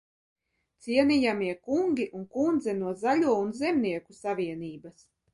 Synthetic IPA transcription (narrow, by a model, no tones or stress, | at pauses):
t̪siɛnijamiɛkuŋɡʲiʔunkund̪zɛnuɔzalʲuɔunzɛmniɛkusavʲiɛniːbas